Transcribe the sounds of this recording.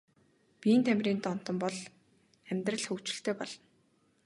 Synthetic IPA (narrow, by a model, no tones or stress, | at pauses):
pʲiːnt̪ʰæmʲriːnt̪ɔn̥t̪ɞ̆mpɔɮ | æmʲt̪rə̆ɮxɵkt͡ɕɪ̆ɬt̪ʰeːpɔɮɞ̆n